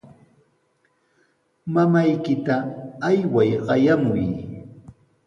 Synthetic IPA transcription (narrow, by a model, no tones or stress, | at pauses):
mamajkɪt̪aːjwajɢɑjamʊj